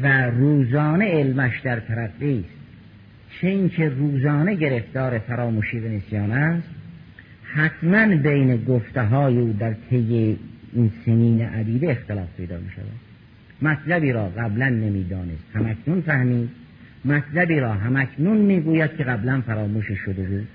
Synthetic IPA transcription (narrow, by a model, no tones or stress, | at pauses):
væɾuːzɒːne̞elmæʃd̪æɾt̪ʰæɾæɡːiːst̪ | t͡ʃʰeincʰeruːzɒːne̞ɟe̞ɾeft̪ɒːɾefæɾɒːmuːʃiːvenesijɑːnæst̪ | hæt̪ʰmænbejneɡoft̪eɦɒːjeuːd̪æɾt̪ʰejːeinseniːneʔæd̪iːd̪eext̪elɒːfpʰe̞jd̪ɒ̰ːmḭːʃæ̰væ̰d̪̥ | mæt̪ʰlæbiːɾɒːɣæblænːe̞miːd̪ɒːnest̪hæmækʰnunfæhmiːd̪̚ | mæt̪ʰlæbiːɾɒːɦæmækʰnunmiːɡuːjæd̪̥̚kʲʰeɣæblænfæɾɒːmuːʃiʃod̪e̞buːd̪̥